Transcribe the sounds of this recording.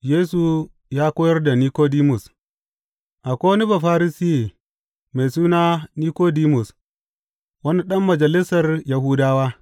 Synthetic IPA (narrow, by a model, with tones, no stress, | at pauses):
jeː˦su˨ | jaː˦kʷoː˦jɐ˦rda˨niː˦koː˦di˦mʊ˨s | ʔa˨kʷoː˦wni˦ba˨ɸa˦ɾi˦sɪ˦je˨ | me˨jsuː˦naː˦niː˦koː˦di˦mʊ˨s | wɐ˦ni˦ɗɐ˦mːɐ˨d͡ʒɐ˨lɪ˦sɐ˨rja˨hu˦daː˦waː˦